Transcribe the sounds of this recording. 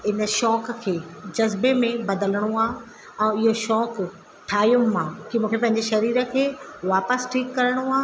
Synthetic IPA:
ɪnə̆ʃɔːkkʰeːd͡ʑɐzbemẽbɐd̪ələɽ̃uaː | ɛ̃ːɪɦoʃɔːk | ʈʰaːjʊ̃mãkimũːkʰepɐ̃ɦɪ̃ɲd͡ʑeʃɐɾiːɾə̆kʰeːʋaːpəsʈʰiːkːɐɾəɽ̃oaː

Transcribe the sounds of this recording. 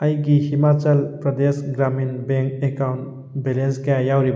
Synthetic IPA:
ajkihimat͡ʃəlpɾəd̪esɡɾaminbeŋkekawn | belenzkajawɾib

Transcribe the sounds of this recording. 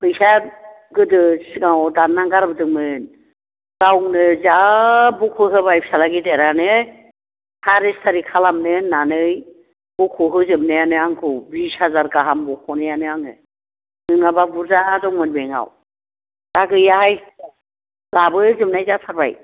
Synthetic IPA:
pʰɯjsa | ɡɯdɯsɡawdanːaŋɡaɾbɯdɯŋmɯn | ɡ̥awŋnɯzabukʰɯɦɯbajpʰi̥salaɡideɾanɯ | haɾistaɾikʰalamnɯnanɯj | bukʰuɦɯzɯmnɯjanɯaŋkʰɯbishazaɾɡaɦambɔkʰɔnɯjanɯaŋɯ | nɯnababuɾzaːzɔŋmɯnbeŋa̰w | d̥aɡɯjahaj | labɯzɯmnajzatʰaɾba̰j

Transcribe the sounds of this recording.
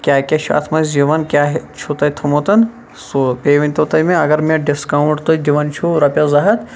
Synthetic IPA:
kʲaːkʲɐt͡ʃʰuɐ̰t̪ʰmɐzd͡ʒiʋɐnkʲjaːɦt͡ʃʰut̪ɐjt̪ʰɐmot̪ɐn | sopeːʋinʲt̪ot̪ɐjmẽɐɡɐɾmẽɖiskawuɳʈt̪od̪iʋɐnt͡ʃʰuɾɐpʲɐzɐɦɐt̪

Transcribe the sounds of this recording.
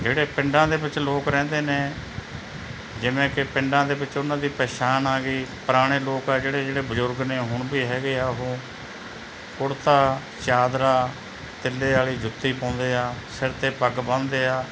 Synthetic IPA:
d͡ʒeːɽeːpɪ̃ɳɖãːd̪eːbɪt͡ʃloːkɾɛ̃ːnd̪eːneː | d͡ʒɪʋẽːkɪpɪ̃ɳɖãːd̪eːbɪt͡ʃʊnãːd̪iːpɛːʃaːnaːɡiːpəɾaːɽ̃eːloːkaːd͡ʒeːɽeːd͡ʒeːɽeːbʊzʊɾɡneːɦʊɳbiːɦɛːɡeːaːʊɦõː | pʊɽt̪aː | t͡ʃaːd̪ɾaː | t̪ɪlːeːaːliːd͡ʒʊt̪ːiːpãːnd̪eːaːsɪɾt̪eːpəɡbə̃nd̪eːaː

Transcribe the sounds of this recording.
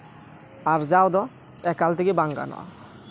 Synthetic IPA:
aɾd͡ʑawd̪ɔ | ɛkalt̪ʰekebaŋɡa̰nɔ̰a̰

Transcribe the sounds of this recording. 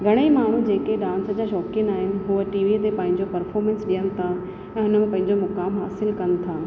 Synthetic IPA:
ɡʱɐɽ̃eimaːɳ̤ũd͡ʑeːkeɗãːnsəd͡ʑaːʃɔːkɪ̃naːɦɪnɪ̆ɦuːəʈiːʋit̪epɐ̃ɦɪ̃ɲd͡ʑopɐɾfɔːɾmẽnsɗijənɪ̆t̪ʰa | ɛ̃ːɦʊnəmẽpɐ̃ɦɪ̃ɲd͡ʑomʊkaːmɦaːsɪlkɐnɪ̆t̪ʰaː

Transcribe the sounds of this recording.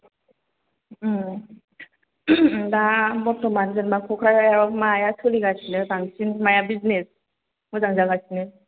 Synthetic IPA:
damɔtɔmanzɯnmakʰɔkʰɾajajaɾɔmajasʰɯliɡasʰinɯdaŋsinmajabiznes | mɔzaŋzaɡasinɯ

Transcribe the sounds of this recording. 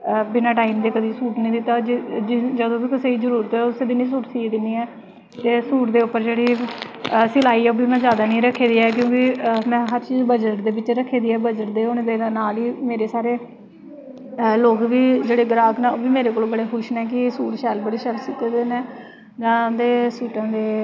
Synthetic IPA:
bɪnaːʈaːiːmd̪eːkəd̪iːsuːʈnĩːd̪ɪt̪ːad͡ʒd͡ʒɪd͡ʒəd̪õːbiːkəseːiːzəɾuːɾt̪ɛːʊseːd̪iːnĩːs̬uːʈsiːd̪ɪniːɛː | t̪eːsuːʈd̪eːʊpːəɾd͡ʒeːɽiː | sɪlaːiːoːbiːmɛ̃ːzjaːd̪aːnĩːɾəkʰːeːd̪iːɛːk̬jõːkɪmɛ̃ːɦəɾt͡ʃiːzbəd͡ʒəʈd̪eːbɪt͡ʃɾəkʰːeːd̪iːɛːbəd͡ʒəʈ̚d̪eːɦonːd̪eːnaːliːmeːɾeːsaːɾeː | loːkʋiːd͡ʒeːɽeːɡəɾaːɡnɛ̃ːoːbiːmeːɾeːkoːlobəɽeːkʰʊʃnɛːk̬ɪsuːʈʃɛːlbəɽeːʃəɾsiːt̪eːd̪eːnɛː | d͡ʒãːd̪eːsuːʈãːd̪eː

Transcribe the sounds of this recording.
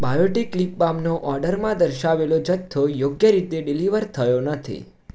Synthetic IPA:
bajoʈikːlip̚bamnoʔɔɾɖəɾmãd̪əɾʃaʋelod͡ʒət̪ʰːojoɡjəɾit̪eɖiliʋəɾt̪ʰəjonət̪ʰḭ

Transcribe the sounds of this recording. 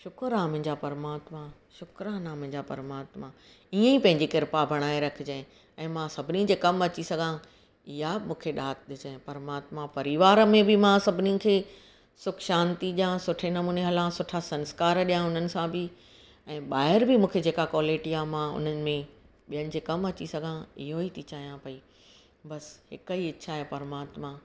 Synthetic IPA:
ʃʊkɾãːmɪ̃ɲd͡ʑapɐɾmaːt̪mãʃʊkɾanaːmɪ̃d͡ʑapɐ̰ɾmaːt̪mã | iẽipɐ̃ɦɪ̃ɲd͡ʑikɪɾpabʱɐɽ̃aːeɾɐkʰɪd͡ʑe | ɛ̃ːmãsɐbʱɪnid͡ʑeːkɐmɐt͡ɕisɐɡʱã | ɪɦamũːkʰeɗaːt̪ʰɗ̪ɪd͡ʑẽpɐɾmaːt̪mãpɐɾiʋaːɾmẽbɪmãsɐbʱɪnĩkʰeː | sʊkʰʃãːnt̪iɗijãsʊʈʰenɐmuːneɦɐlãsʊʈʰasɐ̃nskaːɾɗijãʊn̤ənɪ̆sãbʱɪ | ɛ̃ːɓaːɦɪɾbɪmũːkʰed͡ʑeːkakɔːleːʈijamãʊ̰n̤ənɪ̆mẽ | ɓijənɪ̆d͡ʑeːkɐmɐt͡ɕisɐɡʱãɪɦoit̪ʰit͡ɕaːɦijãpɐi | bɐshɪkəiɪːʃʰaɦepɐɾmaːt̪mã

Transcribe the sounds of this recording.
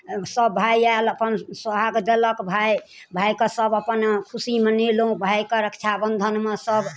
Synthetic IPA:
səbːʱajaləpənsəɦaɡd̪eləkbʱaj | bʱajkesəbəpənkʰusimənelũbʱajkeɾəkt͡ʃʰabənd̪ʱənmesəb

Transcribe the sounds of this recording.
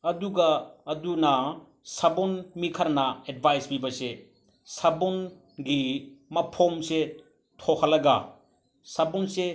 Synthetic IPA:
ɐduɡɐːdunɐ | sɐbonmikʰɐɾnɐed̚bʱajsbibɐse | sɐbon | ɡimɐpʰomse | tʰokʰɐlɐɡa | sɐbunse

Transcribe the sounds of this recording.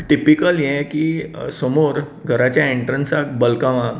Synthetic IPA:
ʈipikəljɛ̃kisomoɾ | ɡʱəɾat͡ɕjaẽɳʈɾənsakbəlkaʋã

